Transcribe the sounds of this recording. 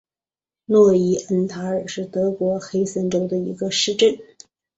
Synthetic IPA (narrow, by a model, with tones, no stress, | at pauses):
nwɔ˥˩i˧˥ə˧˥nt̪ʰa˧˥ə˞˨˩ʂɻ̩˥˩t̪ɤ˧˥kwɔ˧˥xe˥ɪsə˧˥nʈ͡ʂo˥ʊd̪ə˨ḭ˧˥ɡə˧ʂɻ̩˥˧ʈ͡ʂə˥˩n